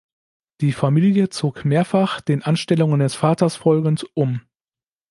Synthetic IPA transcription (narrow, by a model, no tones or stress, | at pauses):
d̥iːfamiːljət͡soːkmeːɐfaχd̥eːnʔanʃtɛlʊŋəndɛsfaːtɐsfɔlɡn̩tʔʊm